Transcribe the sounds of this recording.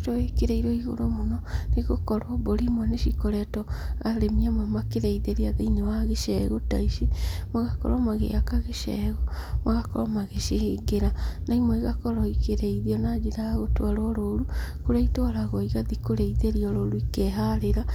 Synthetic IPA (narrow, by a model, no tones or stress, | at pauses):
tɔekeɾeiɾoiɣo̰ɾomonɔneɣokɔɾɔboɾimɔneʃikoɾɛtɔaɾemiamamakeɾeiðeɾiaðeinewaɣeʃɛɣota̰iʃimoɣakɔ̰ɾɔmaɣḛakaɣeʃɛ̰ɣɔmaɣakɔ̰ɾɔmaɣeʃiheɡeɾanʔaimɔiɣakɔɾɔikeɾeiðiɔnad͡ʒiɾaaɣotwaɾɔɾoɾukoɾaitwaɾaɣɔiɣaðikoɾeiðeɾiɔɾoɾuikɛɦaɾeɾa